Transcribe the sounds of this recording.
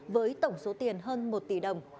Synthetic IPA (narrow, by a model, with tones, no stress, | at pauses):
vəː˨˦jt̪ə˧˩wŋ͡mso˨˦t̪i˨˩ənɦəː˧nmo˨˩t̚t̪i˧˩ɗə˨˩wŋ͡m